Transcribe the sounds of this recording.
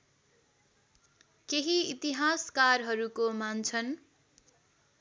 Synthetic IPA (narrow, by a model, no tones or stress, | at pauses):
keɦiit̪iɦaskarɦʌɾukomant͡sʰʌn